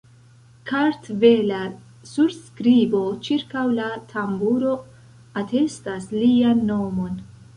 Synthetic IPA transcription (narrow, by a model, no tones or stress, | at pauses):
kʰaɾtvela | suɾskɾibo̞t͡ʃiɾkawlatʰambuɾo̞ | atʰe̞staslianːo̞mo̞n